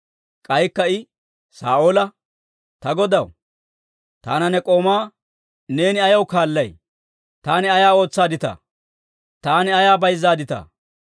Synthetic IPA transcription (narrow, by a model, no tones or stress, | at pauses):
kʼɐjkːɐɪ | sa̰ːoːlɐ | t̪ɐɡɔd̪ɐw | t̪aːnɐnɛkʼo̞ːmaː | ne̞ːnɪɐjɐwkaːlːɐj | t̪aːnɪɐjaːo̞ːt͡sːaːd̪ɪt̪ɐ̰ː | t̪aːnɪɐjaːbɐjzːaːd̪ɪt̪ɐ̰ː